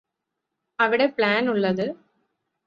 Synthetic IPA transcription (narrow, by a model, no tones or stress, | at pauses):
ɐʋɪɽepɭaːnʊɭːɐðɯ